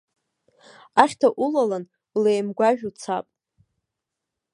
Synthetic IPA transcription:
aχʲtʰaʔulalan | lejmɡʷaʒᶣut͡sʰapʼ

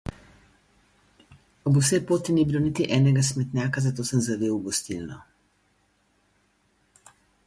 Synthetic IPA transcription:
ɔbusɛpoːt̪inibilonit̪iʔɛːnɛɡasmɛt̪nʲjaːkazat̪oːsəmzaʋeːwɡɔst̪ilnɔ

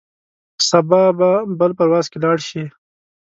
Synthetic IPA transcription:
sɐbɑbabəlpɐɾwɑːzkelɑːɽʃi

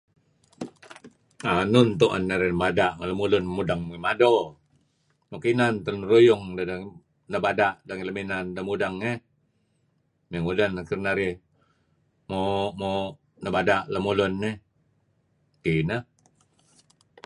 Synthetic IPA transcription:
anʊnt̪oʔanːaɾɛnəbadaʔŋaləmulʊnmudaŋmuimado | nokinant̪ənrujʊŋdada | nəbadaʔdaŋiləminandamudaŋːe | meŋudanakirnaɾi | momo | nəbadaʔləmulʊnːe | kina

